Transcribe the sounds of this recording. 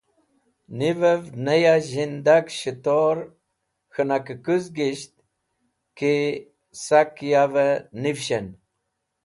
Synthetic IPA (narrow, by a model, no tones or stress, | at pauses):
nivəvnəjaʑind̪akɕət̪oɾ | xənakəkuzɡiɕt̪̚ | ki | sakjavənifɕen